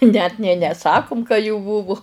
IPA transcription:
nʲɛt nʲeː nʲɛˈsɑːkʊm kɐ juː ˈbuːʋʊ

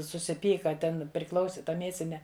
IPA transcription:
sʊsʲɪˈpʲiːkɐ ˈtʲɛn pʲrʲɪˈklˠɐʊsʲɪ ˈtɐ ˈmʲiɛsʲɪnʲɛ

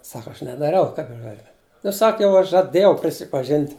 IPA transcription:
ˈsɐk ˈɐʃ nʲɛdɐˈrʲɛʊ ˈkɐɪp ɐʃ ˈɡɑːˌlʲʊ nʊ ˈsɐk jɛʊ ˈɐʃ ʒɐˈdʲeːjɛʊ pʲrʲɪsʲɪpɐˈʒʲɪnʲtʲ

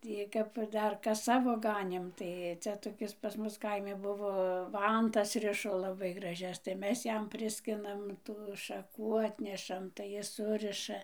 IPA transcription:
ˈtʲiː kɐp ˈdɐr ˈkɐs ˈsɑːʋoː ˈɡɑːnʲeːm ˈtɐɪ ˈt͡sʲɛ toːˈkʲɪs pɐs ˈmʊs ˈkɐɪmʲɪ ˈbʊʋoː ˈʋɐntɐs ˈrʲɪʃoː lˠɐˈbɐɪ ɡrɐˈʒʲɛs tɐɪ ˈmʲɛs ˈjɛm ˈpʲrʲɪsʲkʲɪnɐm tuː ʃɐˈkuː ˈɑːtʲnʲɛʃɐm tɐɪ ˈjɪs ˈsʊrʲɪʃɐ

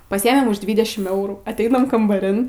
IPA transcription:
pɐˈsʲiːɛmʲeːm ʊʃ ˈdʲʋʲiːdʲɛʃʲɪm ˈɛʊruː ɐtʲˈɛɪnɐm kɐmbɐˈrʲɪn

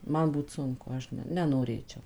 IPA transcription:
ˈmɐn ˈbuːt ˈsʊŋkʊ ˈɐʃ nʲɛ nʲɛnoːˈrʲeːt͡ʃʲɛʊ

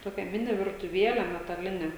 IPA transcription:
ˈtoːkʲɛ ˈmʲɪnʲɪ ʋʲɪrtʊˈʋʲiɛlʲɛ mʲɛtɐˈlʲɪnʲɛ

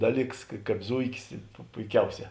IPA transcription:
ˈdɑːˌlʲiːks kɐ ˈkɑːp ˈzʊɪkʲɪs pʊ pʊɪˈkʲɛʊˌsʲɛː

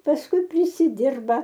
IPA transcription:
pɐsˈkʊɪ pʲrʲɪsʲɪˈdʲɪrbɐ

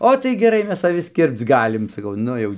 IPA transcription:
ˈoː tɐɪ ɡʲɛˈrɐɪ ˈmʲɛs ɐˈʋʲɪs ˈkʲɪrpt͡s ˈɡɑːlʲɪm sɐˈkɐʊ ˈnʊ jɛʊ

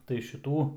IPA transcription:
tɐɪ ʃʲɪˈtuː

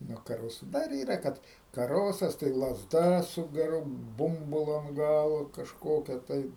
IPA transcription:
nuɔ kɐˈroːsʊ ˈdɐr ˈiːrɐ ˈkɐt kɐˈroːsɐs tɐɪ lˠɐzˈdɐ sʊ ɡʲɛˈrʊ ˈbʊmbʊlˠʊ ɐnt ˈɡɑːlˠoː kɐʃˈkoːkʲɛ tɐɪ

